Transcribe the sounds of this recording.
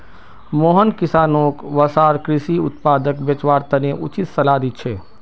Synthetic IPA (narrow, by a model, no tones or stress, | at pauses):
moːɦənkɪsaːnoːkʋɐsaːɾkɾɪʃiʊ̰t̪paːd̪əkbjɐt͡ʃʋaːɾt̪ɐneʔʊt͡ʃɪt̪sɐlaːd̪it̪̚t͡ʃʰeː